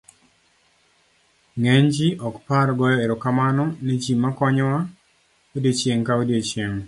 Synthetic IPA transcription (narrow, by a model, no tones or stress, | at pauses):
ŋend͡ʒiʔɔkpaɾɡɔjɔeɾɔkamanɔned͡ʒimːakɔɲɔwa | odet͡ʃjeŋkaodiet͡ʃjeŋ